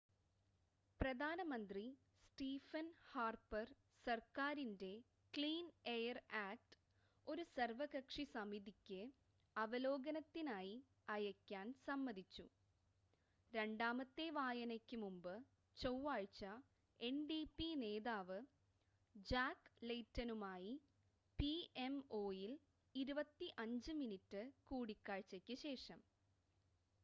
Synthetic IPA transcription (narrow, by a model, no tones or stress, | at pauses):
prɐd̪ʱaːnɐmɐnd̪ri | sʈiːfɐnhaːrpɐr | sɐrkaːɾinde̞ | kliːnejɐraːk̚ʈɨ̥ | o̞ɾusɐrʋɐɣɐkʂisɐmiðikʲːɨ | ɐʋɐlo̞ːɡɐnɐt̪ːinaːji | ɐjɐkʲːaːnsɐmːɐðit͡ɕːṵ | ɾe̞ɳɖaːmɐt̪ːe̞ʋaːjɐnɐkʲːɨmumbɨ | t͡ɕowːaːɻt͡ɕɐ | e̞nɖipine̞ːðaːʋɨ | d͡ʑaːkːlejtːɐnumaːji | pie̞mo̞ːjil | iɾubɐt̪ːiʔɐɲd͡ʑɨminitːɨkuːɽikːaːɻt͡ɕːɐkʲːɨɕe̞ːʂɐm